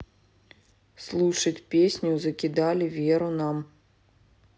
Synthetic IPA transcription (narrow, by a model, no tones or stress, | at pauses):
slˠuʂɐt͡sʲpʲesʲnʲuzɐkʲid̪alʲivʲeɾunam